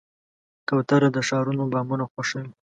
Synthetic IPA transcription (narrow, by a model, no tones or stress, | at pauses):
kawt̪aɾad̪əʃɑɾunobɑmunaxaʃaji